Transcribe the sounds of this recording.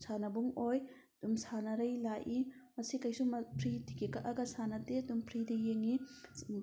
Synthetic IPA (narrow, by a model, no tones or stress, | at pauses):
sanɐbuŋoj | dumsanɐɾɐjlaʔimɐsikajsumpʰɾitikekaʔaɡasanɐtedumpʰɾidijeŋi